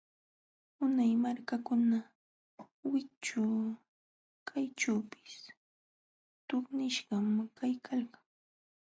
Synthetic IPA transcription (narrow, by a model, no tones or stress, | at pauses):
ʊnajmaɾkakʊna | wɪkt͡ʃʊ | kʰajʈ͡ʂawpɪ̥s | t̪oχnɪʃɢɑmkajkʰalkaŋ